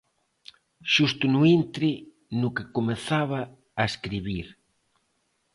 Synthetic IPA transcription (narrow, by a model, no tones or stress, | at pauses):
ʃust̪ʊnuint̪ɾɪ | nʊkekomeθaβaː | eskɾiβiɾ